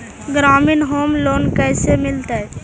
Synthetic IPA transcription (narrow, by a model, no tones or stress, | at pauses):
ɡɾaːminɦoːmloːnkɛjsemɪlt̪aɛ